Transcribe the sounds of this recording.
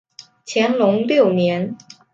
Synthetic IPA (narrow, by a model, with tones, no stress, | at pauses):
t͡ɕʰjɛ˧˥nlʊ˧˥ŋljo˥˩ʊnjɛ˧˥n